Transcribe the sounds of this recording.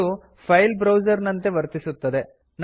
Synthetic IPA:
u | pʰɐjlbɾɐwd͡ʒɐɾnɐnt̪e̞ʋɐɾt̪isut̪ːɐd̪e̞ | n

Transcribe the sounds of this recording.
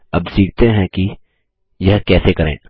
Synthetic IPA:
ɐbsiːk̚t̪eɦɛ̃ki | jɐɦkɛːsekɐɾḛ̃ː

